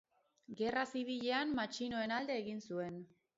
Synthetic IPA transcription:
ɡe̞rasiβiʎe̞anmat͡ʃino̞e̞nald̪e̞ːɣinsue̞n

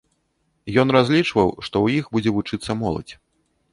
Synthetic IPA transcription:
jɔnrazʲlʲit͡ʂvɐwʂt̪ɔwjixbud͡zʲɛvut͡ʂɨt̪sːɐmɔlˠɐ̰t͡sʲ

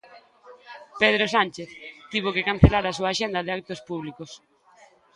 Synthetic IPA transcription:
peð̞ɾosant͡ʃeθt̪iβokekan̟θelaɾasuaːʃend̪ɐðɪak̚t̪ospuβ̞likos

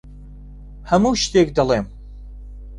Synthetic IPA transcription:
hɐmuːʃt̪ek̚d̪ɐlˠeːm

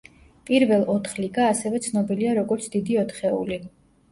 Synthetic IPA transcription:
pʼiɾvɛlˠɔt̪ʰχliɡaːsɛvɛt̪sʰnɔbiliaɾɔɡɔɾt̪sʰd̪̥id̪iɔt̪ʰχɛṵli

